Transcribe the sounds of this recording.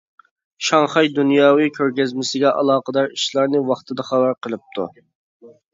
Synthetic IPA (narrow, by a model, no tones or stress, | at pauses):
ʃɑŋχɑjd̪unjɑːwɨkʲʰøɾɡʲɛzmɪsɪɡʲɛʔɑ̰lˠɑːqəd̪ɑɾiʃlˠɑɾnɨwɑχt̪ʰɨd̪ɑχɑbæɾqəlˠɨp̚t̪ʰṵ